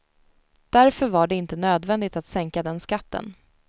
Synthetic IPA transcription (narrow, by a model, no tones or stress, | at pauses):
d̪̥æɾfœɾvaɖɛɪnt̪ənøːd̪vɛnd̪ɪt̪at̪sɛŋkad̪ɛnskat̪ːə̰n